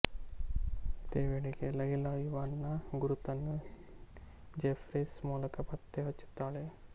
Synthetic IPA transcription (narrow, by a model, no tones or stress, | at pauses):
t̪eʋeɽikelɐɡilajuʋanːaɡuɾut̪ɐnːə | d͡ʒefɾesmolɐkɐpat̪ːeɐt͡ʃu̥t̪ale